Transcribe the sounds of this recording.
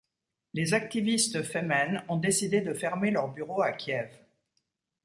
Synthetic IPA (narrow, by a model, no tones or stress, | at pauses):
lezak̚t̪ivist̪fɛmɛnɔ̃d̪esid̪ed̪əfɛʁmelœʁbyʁoakʲjɛv